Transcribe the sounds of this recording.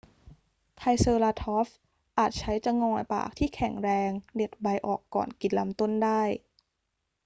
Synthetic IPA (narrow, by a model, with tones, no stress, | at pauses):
t̪ʰa˧jsɤː˧laː˧t̪ʰɔː˦˥f | ʔaː˨˩t̪̚t͡ɕʰa˦˥jt͡ɕa˧ŋɔː˧jpa̰ː˨˩k̚t̪ʰiː˥˩kʰɛ˨˩˦ŋɾɛː˧ŋde˨˩t̪̚ba˧jʔɔː˨˩kːɔ̰ː˨˩nki˨˩n̚la˦˥mt̪o˥˩ndaː˥˩j